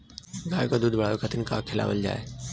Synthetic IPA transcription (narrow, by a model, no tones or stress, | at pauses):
ɡʱaːjkod̪uːd̪ʱbɐɽ̤aːjokʰɐt̪ʰənkakʰela̰ʋə̰ld͡ʒa̰ːeː